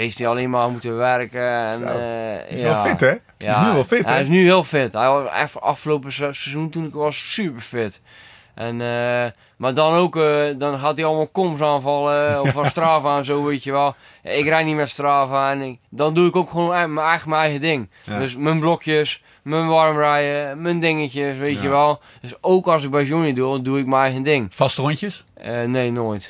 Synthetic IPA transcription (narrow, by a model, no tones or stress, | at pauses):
heftialeːnmamutəʋɛrkəɛ̰n | jalˠfɪtɛ | janyʋɔlˠfɪtɛɪs̬nyhiːəlˠfɪthɛjʋɔsɛ̰fa̰fxəloːpəssɛzuntunɪkʋɔssypərfɪt | ʔɛnə | madɔnoːkdɔnɦatiɑlˠəmalˠkoms̬aːnvɔlˠəɔfɔstraːvaːnsoːʋeːtjəʋɛlˠ | a̰ɪkrɛjnimɛtstraːvaːndɔnduɪkokxʋonməɛjɣləməɛjɣədɪŋddøsmənblɔkʰjəs | mənʋɔrmrɛjəməndɪŋəcjəsʋeːtjəʋɛlˠ | d̥øsowkɔs̬ɪk̚bɛjs̬joniduduɪk̚məɛjɣəndɪŋfastoncəsəneːnoːjt